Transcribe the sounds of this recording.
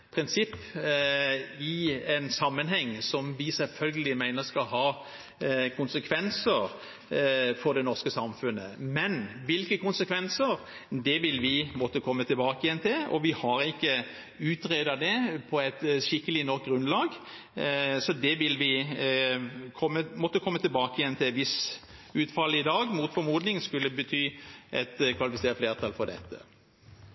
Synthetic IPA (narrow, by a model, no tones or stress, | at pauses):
pʰɾɪnsɪpː | ɪɛnsɑmːənhɛŋːsɔmʋɪsɛlfœlɡəlɪmæɪnəskɑlɦɑ | kʰʊnsəkʰʋɛnsəɾ | fɔd̪ɛnɔʁskəsɑmfʉnːəmɛnʋɪlkəkʊnsəkʰʋɛnsəɾ | d̪ɛʋɪlʋɪbɔt̪ːəkʰɔmːət̪ʰɪlbɑːkəjɛnt̪ʰɪlɔ̰ʋɪhɑɾɪkːə | ʉːt̪ʁeːd̪ɑd̪ɛpʰɔɛt̪ʃɪkːəlɪnɔɾk̚ɡɾʉnlɑːɡ | sɔd̪ɛʋɪlʋɪ | kʰɔmːəmɔt̪ːəkʰɔmːət̪ɪlbɑːkəjɛnt̪ʰɪlʋɪs | ʉːt̪fɑlɪd̪ɑːɡmuːt̪fɔɾmuːd̪nɪŋskʉlːəbət̪ʰyːʔɛt̪kʰʋɑlɪfɪseːɾəfleːʁt̪ʰɑlfɔd̪ɛ̰t̪ːə̰